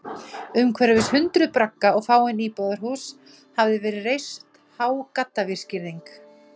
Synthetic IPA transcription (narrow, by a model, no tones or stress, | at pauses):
ʏmkʰvɛɾavɪshʏnt̪ɾʏðpɾakːaɔɣfaːwɛniːpɔðaɾ̥ɦhuːs | havðɪvɛːɾɪrejst̪ | haːwkat̪ːavɪɾ̥scɪɾðiŋk